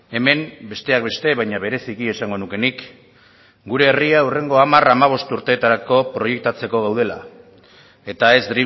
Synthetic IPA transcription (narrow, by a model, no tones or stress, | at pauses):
e̞me̞mbe̞st̪e̞ak̚be̞st̪e̞βajɲaβe̞ɾe̞sikie̞saŋɡo̞nuke̞nik | ɡuɾe̞ːriaure̞ŋɡo̞amaramaβ̞o̞st̪uɾt̪e̞ːt̪aɾako̞pɾo̞je̞k̚t̪at͡se̞ko̞ɣawðe̞la̰ | e̞t̪ae̞zd̪ɾi